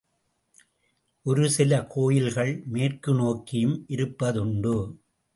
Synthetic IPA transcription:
ʔɔɾɯsɪlɐkʰoːjɪlɣɐɭmeːrkɯnoːkɪjɯmʔɪɾɯpːɐðʊɳɖɯ

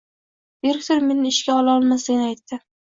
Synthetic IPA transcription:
eɾkʲt̪oɾmenɪɪʃkʲaɒlaɒlˠmasɪɡʲnɪajt̪ːɪ

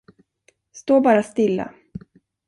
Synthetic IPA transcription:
st̪oːbɑːɾast̪ɪlːa̰

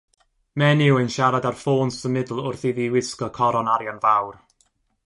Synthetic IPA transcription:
mɛnɪwənʃaɾadarfoːnsəmɪdl̩ˠʊrθiðiwɪskɔkʰɔɾɔnaɾjɔnvawr

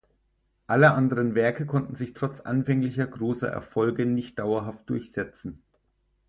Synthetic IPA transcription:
ʔaləʔandəʁ̞ənvɛɐkəkʰɔntn̩zɪçtʁ̥ɔt͡sʔa̰nfɛŋlɪçɐɡʁøːsɐ̰ʔɛ̰ɐfɔlɡənɪçt̚d̥aʊɐɦaft̚d̥ʊɐçz̥ɛt͡sn̩

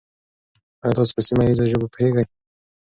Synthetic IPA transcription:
ajɑt̪ɑs̬o̥pəsimaɾizaʒəbapheɡaj

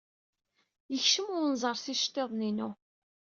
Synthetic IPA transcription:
jəçʃəmʊɾnzˤəɾˤsiʃt̪ːeðˤninu

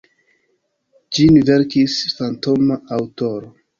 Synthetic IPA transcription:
d͡ʒinveɾkisfanto̞maʔawtoɾo

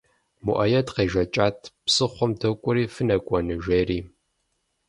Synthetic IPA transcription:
mṵʔɐjɐdqeːʒɐt͡ʃʼaːtʰpsɨχʷɔmdɐkʷʼʊɾiːfɨnɐkʷʼɔnɨʒeːriː

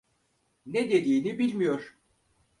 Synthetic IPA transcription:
ned̪ed̪iːnibilʲmijoɾ̥

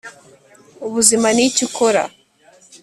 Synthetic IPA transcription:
uβuzimanicikoɾa̰

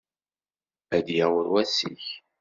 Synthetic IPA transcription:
æd̪jæwəɾwæsḭç

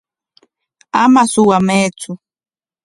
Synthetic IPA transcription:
amasʊwameːt͡sʊ

